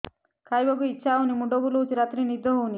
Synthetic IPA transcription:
kʰajboɡuit͡ʃʃaunimuɖoɡulut͡ʃiɾat̪ɾinid̪ʱoɦuni

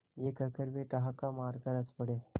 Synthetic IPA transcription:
jekəkəɾbeʈaɦakamaɾkəɾəspəɽe

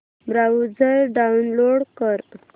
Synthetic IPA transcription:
bɾaud͡zəɾɖaunloɽkəɾ

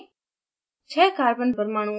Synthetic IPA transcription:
t͡ʃʰɛːkaːɾbənbəɾmaːɽ̃ũː

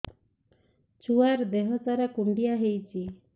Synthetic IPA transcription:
t͡ʃuaɾd̪eɦɔt̪aɾakuɳɖijaɦejt͡ʃʰi

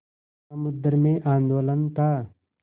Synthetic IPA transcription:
ɐmud̪əɾmẽːʔaːnd̪oːlɐnt̪aː

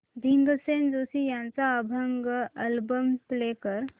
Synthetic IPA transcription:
b̪ʱiŋɡəsend͡ʒoːsijãnt͡saəbʱəŋɡəlbəmplekəɾ

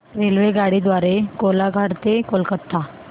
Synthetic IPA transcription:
ɾelʋeɡaɽid̪ʋaɾekolaɡʱaɽt̪ekolkət̪ʰːa

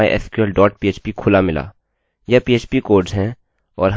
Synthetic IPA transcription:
ḛʔɛ̰ːskɛlɖɔːʈ̚piːeːt͡ʃpikʰʊlamɪla̰ː | jɐpiːeːt͡ʃpikoːɖzɦɛ̃ | ɔːɾɦ

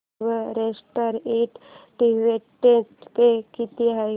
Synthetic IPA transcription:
ʋəɾesʈəɾeʈʈiʋetetpekit̪iɦa

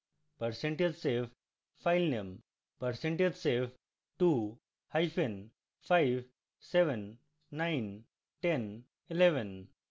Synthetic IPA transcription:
pəɾsẽɳʈed͡ʒseʋ | faɪlnẽm | pəɾsẽɳʈed͡ʒseʋ | ʈu | haɪfẽn | faɪʋ | seʋənː | ãɪn | ʈẽn | ɪleʋə̃n

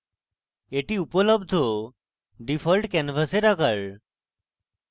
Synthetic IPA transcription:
eʈiupələbd̪ʱo | ɖifəlʈkɛnfəseɾakaɭ

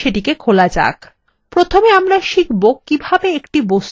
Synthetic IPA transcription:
ʃeʈikekʰolad͡ʑa̰k | pɾot̪ʰomeamɾaʃikʰbokːibʱabeekʈibos

